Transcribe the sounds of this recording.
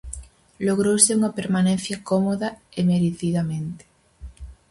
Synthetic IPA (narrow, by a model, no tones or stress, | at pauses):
loɣ̞ɾowseuŋapeɾmanẽnθjakomoðaemeɾeθiðamẽnt̪e̥